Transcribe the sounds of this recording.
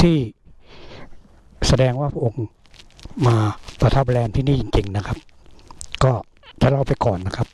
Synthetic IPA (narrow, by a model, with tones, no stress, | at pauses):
t̪ʰiː˥˩ | sa˧dɛː˧ŋwaː˥˩pʰa˥ʔo˧ŋ | maː˧pa˧t̪ʰa˦˥p̚blɛː˧nt̪ʰiː˥˩niː˥˩˨i˧ŋt͡ɕi˧ŋna˦˥kʰa˦˥p̚ | kɔː˥˩ | t̪ʰaː˥˩ɾa˧˥˩wpa˧jkɔː˨˩nːa˦˥kʰa˦˥p̚